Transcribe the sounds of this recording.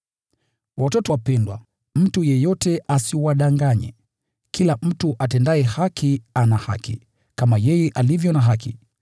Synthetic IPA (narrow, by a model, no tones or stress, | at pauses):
watɔtɔwapɛndwa̰ | m̩tujɛjɔtɛʔasiwaɗaŋɡaɲɛ̰ | kilam̩tuʔatɛndaɛhakʰianaha̰kḭ | kamajɛjɛʔalivjɔnaɦaki